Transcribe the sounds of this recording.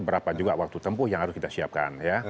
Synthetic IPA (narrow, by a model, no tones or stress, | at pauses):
bəɾapad͡ʒuɡaʔwak̚t̪ut̪əmpʊhjaŋɦaɾʊskit̪asiap̚ka̰nja